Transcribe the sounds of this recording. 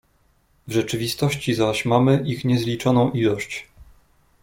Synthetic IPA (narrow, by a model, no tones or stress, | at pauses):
vʐɛt͡ʂɘvʲist̪ɔɕt͡ɕizaɕmamɘʔixɲɛzlʲit͡ʂɔnɔ̃w̃ʔilɔɕt͡ɕ